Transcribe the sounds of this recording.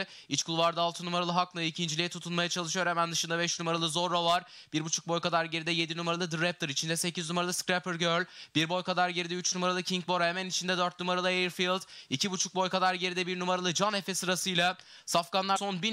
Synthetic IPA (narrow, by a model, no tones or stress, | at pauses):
it͡ʃkʰulˠvaɾd̪aːlˠt̪ʰɯnumaɾalˠɯɦaklˠɯicʰind͡ʒilʲijɛt̪ʰut̪ʰunmajat͡ʃʰalˠɯʃɯjo̞ɾhɛmænd̪ɯʃɯnd̪abɛʃnumaɾalˠɯzo̞ɾːovaɾ | b̥iɾbut͡ʃʰu̥k̚bo̞jkad̪aɾɟe̞ɾid̪ɛje̞d̪inumaɾalˠɯd̪ɯɾɛp̚d̪ɯɾit͡ʃʰind̪ɛse̞cʰiznumaɾalˠɯskɾepɯɾɟøɾlʲb̥iɾbo̞jkad̪aɾɟeɾid̪ɛyt͡ʃnumaɾalˠɯcʰiɲk̚bo̞ɾhemɛnit͡ʃʰind̪ɛd̪øɾt̪numaɾalˠɯejiɾfilˠd̪icʰibut͡ʃʰuk̚bo̞jkad̪aɾɟe̞ɾid̪ɛbiɾnumaɾalˠɯd͡ʒane̞fesɯɾasɯjlʲˠa | safɡanlˠasonbi